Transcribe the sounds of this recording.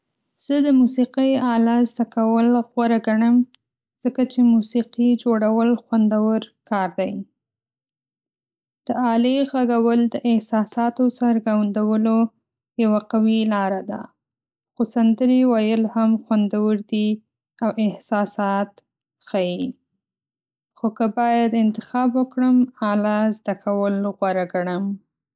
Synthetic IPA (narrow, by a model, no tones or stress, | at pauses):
z̥əd̪əmusiqijɑlazd̪akawəlɣwaɾaɡaɳəm | z̥əkat͡ʃemusiqid͡ʒoɽawəlxwand̪awəɾkɑɾd̪aj | d̪̥əɑleɣaɡawəld̪əʔɪhsɑsɑt̪osaɾɡawnd̪awəlo | jawaqawilɑɾad̪a̰ | xosand̪əɾiwajəlhamxwand̪awəɾd̪i | awʔɪhsɑsɑt̪ | xaji | xokəbɑjad̪ɪnt̪ɪxɑbwəkɽəmalazd̪akʰawəlɣwaɾaɡaɽəm